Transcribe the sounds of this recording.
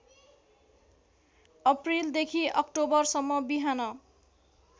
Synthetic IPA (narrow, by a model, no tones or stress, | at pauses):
ʌprild̪ekʰiʔʌkʈobʌrsʌmːʌbiɦanʌ